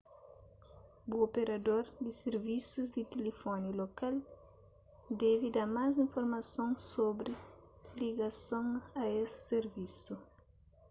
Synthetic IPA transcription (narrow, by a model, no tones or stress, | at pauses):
buopeɾɐd̪oɾd̪iseɾvisuzd̪it̪elefɔnulokal | d̪ɛvid̪aɾmazĩɱfoɾmɐsõŋsobɾiliɡɐsõŋɐesi̥seɾvisu